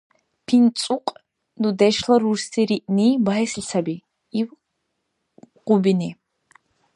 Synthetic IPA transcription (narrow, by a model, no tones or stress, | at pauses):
pʰint͡sʼuqʼ | nd̪ud̪ɛʃlɐɾuɾst̪ʰiɾiʔniːbaɦɛsɬʲt͡sʰabi | iw | qʊbini